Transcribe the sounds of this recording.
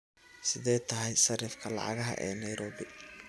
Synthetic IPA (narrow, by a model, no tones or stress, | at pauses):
sɪðɛjt̪ʰɐɦɛjsɐrɪfkʰɐlɑ̰ʕɑ̰ɣɐɦɐ̰ʔɛːnɐjɾɔːβɪ